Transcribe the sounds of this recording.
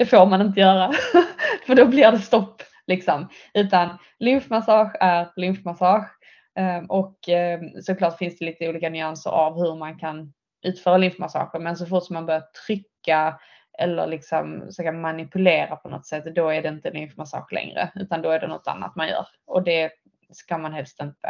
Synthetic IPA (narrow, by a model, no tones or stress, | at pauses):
d̪̥ɛfoːɾmanɪnt̪̬əjœːɾa | fœɖɔblɪdɛst̪ɔpː | lɪksɔm | ʉ̟ːt̪an | lʏmfmasɑːɧæɾlʏnfmasɑːɧ | ʔɔksɔklɑːʈːfɪnsd̪ɛliːt̪əuːliːkanʏansə̰ɾa̰vhɵɾmankʰan | ʔʉ̟ːt̪fœːɾalʏnfmasɑ̰ːɧəɾmɛns̬ɔfʊʈːsɔmːanbœɾjat̪ʰɾʏkːa | ʔɛ̰lːə̰ɾlɪksɔmsɑkəmanɪpɵleːɾapʰɔnɔ̰t̪sɛt̪ːd̪ɔæɖɛɪnt̪əlʏnfmasɑ̰ːɧlɛ̰ŋɾə̰ʉ̟ːt̪and̪ɔæɖɛnɔ̰t̪ːa̰nːa̰t̪manjœ̰ːɾ | ɔd̪ɛ | skamanɦɛlst̪ɪnt̪ə̰